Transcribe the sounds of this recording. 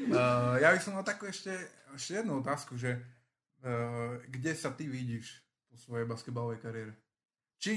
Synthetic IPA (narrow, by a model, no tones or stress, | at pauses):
jabisɔmalt̪akuɛʃcɛɛʃcɛjɛd̪nuɔt̪aːskuʒɛ | ɡɟɛsat̪iʋiɟiʃ | pɔsʋɔjɛjbaskɛd̪balɔʋɛjkaɾɪɛɾɛ | t͡ʃi